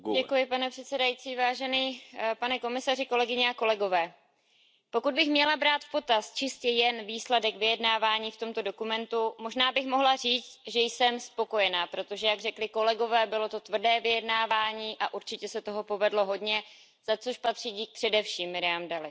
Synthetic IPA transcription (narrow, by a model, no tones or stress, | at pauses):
ɟɛkujɪpanɛpr̥ɛt̪sɛdajit͡siːvaːʒɛniːpanɛko̞mɪsarɪko̞lɛɡɪɲɛako̞lɛɡo̞vɛː | po̞kud̪̚bɪxmɲɛlabɾaːt̪fpo̞t̪ast͡ʃɪscɛjɛnviːslɛdɛkvɪjɛdnaːvaːɲiːft̪o̞mt̪o̞do̞kumɛnt̪umo̞ʒnaːbɪxmo̞ɦlariːt͡st̪ʒɛjsɛmspo̞ko̞jɛnaːpɾo̞t̪o̞ʒɛjaɡrɛklɪko̞lɛɡo̞vɛːbɪlo̞t̪o̞t̪vr̩dɛːvɪjɛdnaːvaːɲiːʔaʔuɾt͡ʃɪcɛsɛt̪o̞ɦo̞po̞vɛdlo̞ɦo̞dɲɛ | z̥at͡so̞ʃpat̪r̥iɟiːk̚pr̥ɛdɛfʃiːmːɪɾɪamdalɪ